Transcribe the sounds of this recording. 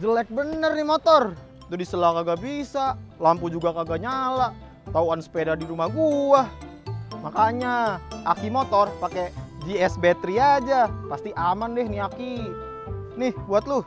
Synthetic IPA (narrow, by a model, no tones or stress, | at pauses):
d͡ʒəlɛk̚bənərnɪmot̪ɔr | t̪udisəlakaɡabisalampud͡ʒuɡakaɡaɲala | t̪auansə̥pedadiɾumahɡuahmakaɲaʔakimot̪ɔrpaked͡ʒiɛsbɛt̪ɾiad͡ʒapast̪iʔamandɛhniaki | nɪhbuat̪̚lʊ